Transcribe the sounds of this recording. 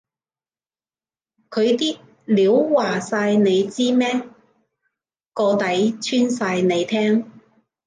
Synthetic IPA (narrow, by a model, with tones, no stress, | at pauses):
kʰɵ˨˧ɥt̪iː˥t̚ | liː˨˧˥wwaː˨˩saː˧jne˨˧jt͡siː˥mɛː˥ | kɔː˧t̪ɐ˨˥jt͡sʰyː˥nsaː˧jne˨˧jt̪ʰɛː˥ŋ